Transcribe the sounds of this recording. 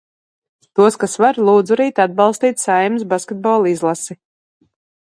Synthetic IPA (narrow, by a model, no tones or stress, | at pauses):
t̪uɔskasvaɾlˠuːd̪zuɾiːt̪ad̪̚bɑlˠst̪iːt̪ʲsajms̬baskʲed̪̚bɔːlˠizlˠasi